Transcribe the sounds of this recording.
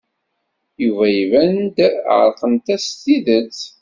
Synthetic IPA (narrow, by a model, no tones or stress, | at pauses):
juvæjivænd̪ʕə̰ɾˤqənt̪æst̪iðət͡s